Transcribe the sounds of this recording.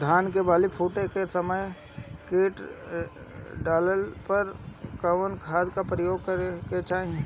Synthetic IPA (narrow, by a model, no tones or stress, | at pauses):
d̪ʱaːnkebaːlipʰuːʈekesəməj | keːʈ | ɖaːləlpəɾkəʋənkʰaːd̪kapɾəjoːɡ̚kəɾeket͡ʃaːɦe